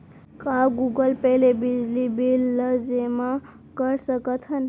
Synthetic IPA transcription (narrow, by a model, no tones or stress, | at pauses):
kaɡuɡəlpəjlebid͡zlibilːəd͡ʒema | kəɾsəkət̪ʰɦən